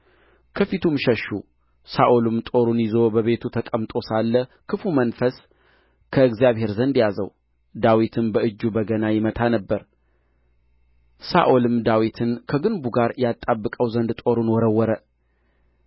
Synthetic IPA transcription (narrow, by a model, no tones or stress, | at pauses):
kʰəfit̪ʰumʃəʃːu | saʔolɨmt̪ʼo̞ɾunjɪzo̞bəβe̞t̪ʰut̪ʰəkʼəmt̪ʼo̞salːə | kʰɨfumənfəs | kʰəɨɡzijaβɦe̞ɾzənd̪jazə̰w | d̪awit̪ʰɨmbəʔɨd͡ʒːubəɡənajɪmət̪ʰanəbːəɾ | sa̰ʔolɨmd̪awit̪ʰɨnkʰəɡɨnbuɡaɾjat̪ʼːabːɨkʼəwzənd̪t̪ʼo̞ɾunwɔɾəwːɔɾə